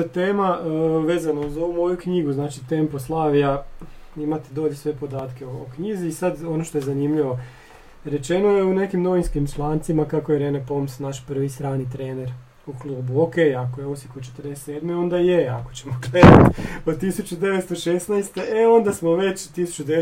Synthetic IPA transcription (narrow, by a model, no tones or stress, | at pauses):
t̪eːmaʋe̞ːzanauzo̞ʋumo̞jukɲiɡuznaːt͡ʃit̪emposlˠaːʋiaimat̪ed̪o̞ʎesʋe̞po̞d̪aːt̪keookɲiziːsad̪o̞noʃt̪o̞jezanimʎiʋo̞ | ɾe̞t͡ʃe̞nojeune̞kimno̞ʋinskimt͡ʃlˠaːnt̪simakakojeɾe̞nepo̞msnaʃpr̩ʋist̪ɾaːnit̪ɾeːne̞ɾ | uklˠuːbuokejakojeosikot͡ʃet̪ɾd̪ese̥t̪e̞ːd̪meo̞nd̪ajeako̞̥t͡ɕemoɡled̪at̪ot̪isut͡ɕud̪e̞ʋest̪oʃesnajst̪e̞ʔeo̞nd̪asmo̞ʋe̞t͡ʃt̪isu̥t͡ʃud̪ee